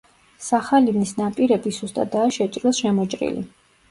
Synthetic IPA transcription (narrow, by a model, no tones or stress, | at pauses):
saχalivnisnapʼiɾɛbisust̪ʼa̰t̪d̪aːʃɛt͡ʃʼɾɔsʃɛmɔt͡ʃʼɾḭlḭ